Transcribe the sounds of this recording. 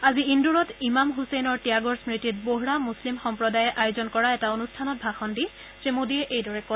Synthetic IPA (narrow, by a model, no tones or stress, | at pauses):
aziinduɹɔtimamɦusɛjnɔɹtijaɡɔɹsmɹitit̚boɦuɹamuslimxɔmpɹɔdajɛʔajozɔnkɔɹaɛtaonustʰanɔt̚bʱaxɔndi | semodiɛʔejdɔɹɛkɔ